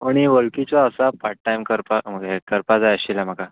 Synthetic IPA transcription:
aɽ̃iʋəɭkit͡ɕɔəsapaɾʈ̚ʈːajmkəɾpaməɡekəɾpad͡zajəɕilam̤əka

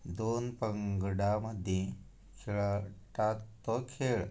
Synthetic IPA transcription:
d̪onpəŋɡɽaməd̪ʱjẽ | kʰeɭaʈat̪ːɔkʰeɭ

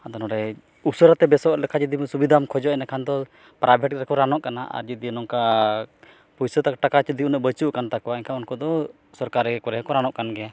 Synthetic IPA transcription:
ad̪ɔnɔɾɛ | usəɾat̪ɛbɛsɔɾlɛkʰad͡ʒid̪imɛsubid̪ʱamkʰɔd͡ʒɔaɛnakʰand̪ɔ | pɾabʱɛʈɾɛkɔɾanɔʔkanaʔa̰ɾd͡ʒid̪inɔŋka | pujsət̪akʈakat͡ʃid̪iunəʔbət͡ʃuʔkant̪akɔwaɛɲkaunkɔd̪ɔ | sɔɾkaɾɛɡɛkɔɾɛkɔɾanɔʔkanɡɛja

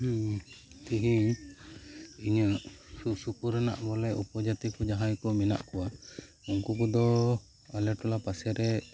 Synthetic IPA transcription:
t̪iɦiɲ | iɲəsusukuɾana̰ʔbɔlɛʔupɔd͡ʒat̪ikɔd͡ʒaɦajkɔmɛna̰ʔkɔwa | uŋkukɔd̪ɔ | alɛʈɔlapasɛɾɛ

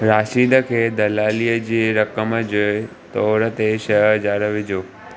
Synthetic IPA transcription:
ɾaːʃiːd̪əkʰeːd̪ɐlaːliːəd͡ʑeːɾɐkəmd͡ʑo | t̪ɔːɾət̪eʃɐɦd͡ʑaːɾəʋɪd͡ʑʱoː

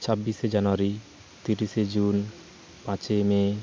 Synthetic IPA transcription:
t͡ɕʰabːiʃed͡ʑanoaɾi | t̪iɾiʃed͡ʑun | pãt͡ɕeme

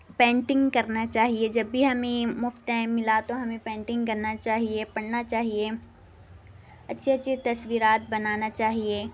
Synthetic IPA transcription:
pɛ̃ːɳʈɪ̃ŋɡkɐɾnat͡ʃaːɦied͡ʒɐbːʱiɦɐmẽmʊft̪ɛ̃mɪlat̪oɦɐmẽpɛ̃ːɳʈɪ̃ŋɡkɐɾnat͡ʃaːɦiepɐɽnat͡ʃaːɦie | ɐtːʃʰeɐtːʃʰet̪ɐsʋiːɾaːt̪̚bɐnaːnat͡ʃaːɦieː

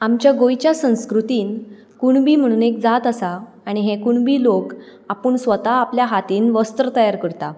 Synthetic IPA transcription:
amt͡ɕjaɡojt͡ɕjasə̃w̃skɾut̪iːn | kuɳbiːm̤əɽ̃uːnek̚d͡zat̪əsaː | ɽ̃iɦekuɳbiːlokapəɳsʋət̪aːpljaɦat̪iːnʋəst̪ɾət̪əjaɾkəɾt̪a

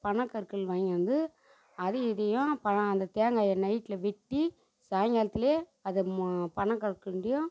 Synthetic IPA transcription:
pɐɳɐkːɐɾɯkːɯɭʋɐːŋɡɐɐnd̪ɯ | ɐðɯɪðɐjʊ̃pɐɐɐnd̪ɐt̪eːŋɡaːjɐnɐɪʈːɪlɐʋɪʈːi | saːjŋɡaːlɐt̪ːɪleːɐðɯpɐɳɐ̃kːɐɾɯkːɯɳɖɪjʊ̃

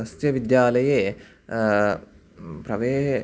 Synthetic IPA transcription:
ɐst̪jɐʋid̪jaːlɐje | pɾɐʋeːɦ

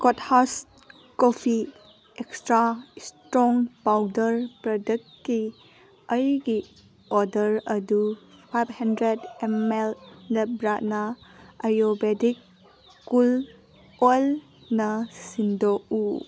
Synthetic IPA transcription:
kothas | kopʰi | ekstɾastɾɔŋpawdəɾpɾɔdɐktkːi | ɐjɡi | ɔdɐɾɐdupʰajbhɐndɾedemelnebɾaʔnɐajobedikː | ul | ojl | nɐsindoku

